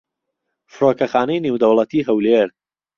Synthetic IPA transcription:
fɨɾoːkɐχaːnɐjnewd̪ɐwlˠɐt̪ʰiːɦɐwleɾ

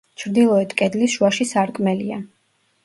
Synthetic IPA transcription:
t͡ʃʰɾd̪ilˠɔɛt̪ʰkʼɛd̪lisʃuaʃisaɾkʼmɛlia

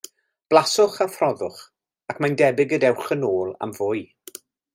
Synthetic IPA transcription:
b̥lˠasʊχaθrɔðʊχ | akʰmandɛbɪɡədɛwχənoːlˠa̰mvʊːɨ

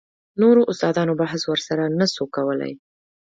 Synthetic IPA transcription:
noɾoʔʊst̪ɑd̪ɑnobaɦswəɾsaɾanasokawəla̰j

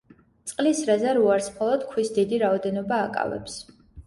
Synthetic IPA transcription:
t̪sʼqʼlisɾazaɾuaɾsmχɔlˠɔd̪̥kʰwisd̪id̪iɾaɔd̪ɛnɔbaːkʼa̰vɛ̰ps

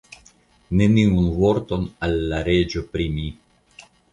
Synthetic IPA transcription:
ne̞niunvoɾt̪o̞nalːaɾed͡ʒopɾimi

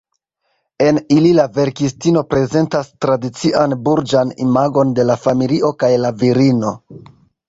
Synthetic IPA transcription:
e̞nililave̞ɾkistino̞pɾe̞ze̞ntastɾadit͡siʔanbuɾd͡ʒanḭmaɡo̞nde̞lafamiliʔo̞kajlaviɾino̞

